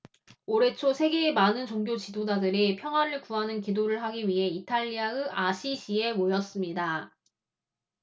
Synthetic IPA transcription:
oɾe̞t͡ɕʰosʰe̞ɡeːmanɯnt͡ɕoŋɡjot͡ɕidod͡ʑadɯɾipʰjʌŋɦwaɾɯɭkuɦanɯnkidoɾɯɭɦaɡiɥiɦe̞itʰaʎːiaɯaɕʰiɕʰie̞mojʌs͈ɯmɲida

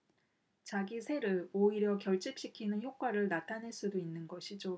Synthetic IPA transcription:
t͡ɕaɡisʰe̞ɾɯɭoiɾjʌkjʌɭt͡ɕ͈ip̚ɕ͈ikʰinɯnçjok̚k͈waɾɯɭnatʰaneɭs͈udoinːɯnɡʌɕʰid͡ʑo

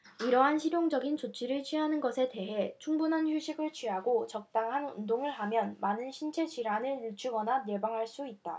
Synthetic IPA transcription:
iɾʌɦanɕʰiɾjoŋd͡ʑʌɡint͡ɕot͡ɕʰiɾɯɭt͡ɕʰɥiɦanɯnɡʌsʰe̞te̞ɦe̞t͡ɕʰuŋbunɦançjuɕʰiɡɯɭt͡ɕʰɥiɦaɡot͡ɕʌk̚t͈aŋɦanṵndoŋɯɭɦamjʌnmanɯnɕʰint͡ɕʰe̞d͡ʑiɾanɯɭjut͡ɕʰuɡʌnanjebaŋɦaɭs͈uit̚t͈a̰

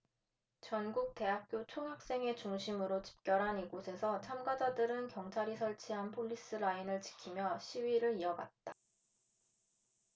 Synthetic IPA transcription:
t͡ɕʌnɡuk̚te̞ɦak̚k͈jot͡ɕʰoɦak̚s͈e̞ŋe̞t͡ɕuŋɕʰimɯɾot͡ɕi̥p̚k͈jʌɾɦaniɭɡosʰe̞sʰʌt͡ɕʰamɡad͡ʑadɯɾɯnkjʌŋt͡ɕʰaɾisʰʌɭt͡ɕʰiɦanpʰoʎːis͈ɯɾainɯɭt͡ɕi̥kʰimjʌɕʰiɥiɾɯɾiʌɡa̰t̚t͈a

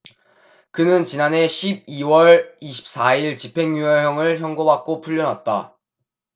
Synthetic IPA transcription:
kɯnɯnt͡ɕinane̞ɕʰib̚iwʌɭiɕʰi̥p̚s͈aiɭt͡ɕipʰe̞ŋjuʌɦjʌŋɯɭçjʌŋɡobak̚k͈opʰuʎːʌnwat̚t͈a̰

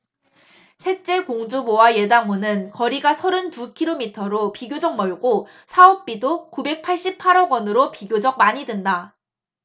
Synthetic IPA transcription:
sʰe̞t͡ɕ͈e̞koŋd͡ʑubowaje̞daŋmonɯnkʌɾiɡasʰʌɾɯntukʰiɾomitʰʌɾopiɡjod͡ʑʌk̚mʌɭɡo | sʰaʌp̚p͈idokube̞k̚pʰaɭɕ͈ipʰaɾʌɡwʌnɯɾopiɡʲjod͡ʑʌk̚maɲidwenda

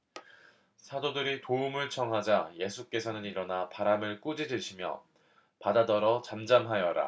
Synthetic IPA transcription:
sʰadodɯɾitoumɯɭt͡ɕʰʌŋɦad͡ʑaje̞sʰuk͈e̞sʰʌnɯniɾʌnapaɾamɯɭk͈ud͡ʑid͡ʑɯɕʰimjʌ̰ | padadʌɾʌt͡ɕamd͡ʑamɦajʌɾa̰

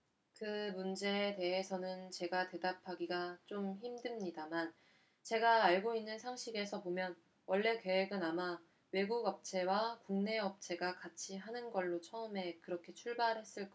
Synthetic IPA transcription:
kɯmund͡ʑe̞ːte̞ɦesʰʌnɯnt͡ɕe̞ɡate̞dapʰaɡiɡat͡ɕ͈omçimdɯmɲidaman | t͡ɕe̞ɡaːɭɡoinːɯnsʰaŋɕʰiɡe̞sʰʌpomjʌn | wʌɭːe̞ke̞weɡɯnama | we̞ɡuɡʌp̚t͡ɕʰe̞wakuŋne̞ʌp̚t͡ɕʰe̞ɡakat͡ɕʰiɦanɯnɡʌɭːot͡ɕʰʌɯme̞kɯɾʌkʰe̞t͡ɕʰuɭbaɭɦe̞s͈ɯɭk͈

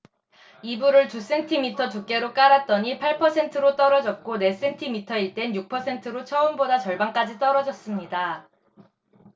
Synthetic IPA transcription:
ibuɾɯɭt͡ɕus͈e̞ntʰimitʰʌt͡ɕuk͈e̞ɾok͈aɾat̚t͈ʌɲipʰaɭpʰʌsʰe̞ntʰɯɾot͈ʌɾʌd͡ʑʌk̚k͈one̞s͈e̞ntʰimitʰʌiɭt͈e̞njuk̚pʰʌsʰe̞ntʰɯɾot͡ɕʰʌɯmbodat͡ɕʌɭbaŋk͈ad͡ʑit͈ʌɾʌd͡ʑʌs͈ɯmɲida

